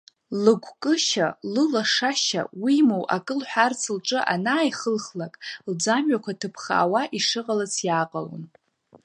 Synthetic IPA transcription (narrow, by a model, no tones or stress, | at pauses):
lɨɡʷʰkʼɨʃalɨlaʂaʃa̰wimowʔa̰kʼɨlħʷᶣart͡sʰɨlʈ͡ʂʼɨʔanaːjχəlχlakʼld͡zamɥakʷʰatʰɨpʰχa̰ːwaʔiʂɨqʼalat͡sʰjaːqʼalo̰n